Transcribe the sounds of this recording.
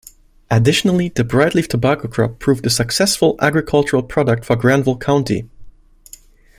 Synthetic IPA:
ʔɨdɪʃnl̩ˠiðɨbɹaɪtˡliftʰəbækoʊkʰɹ̥ɑ̰pʰːɹ̥uvdɨsɨksɛsfəlˠæ̰ɡɹɨkʰʌlˠt͡ʃəɹəl̩ˠpʰɹ̥ɑɾək̚tfə˞ɡɹæ̃nvəl̩ˠkʰãʊ̃ntḭ

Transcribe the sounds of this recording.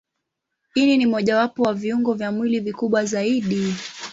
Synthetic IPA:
ininimɔʄawapɔwaviuŋɡɔvjamwilivikuɓwazaiɗi

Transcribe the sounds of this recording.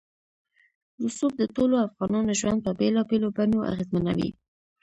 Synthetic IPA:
lʊsub̚d̪ətoloafɣɑnɑnoʒwand̪̚pəbelɑbelobanoʔa̰ɣezmanawḭ

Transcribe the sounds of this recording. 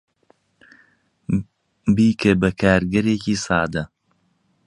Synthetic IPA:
biːkʰebɐkʰaːɾɡɐɾeːciːsɑːd̪ɐ

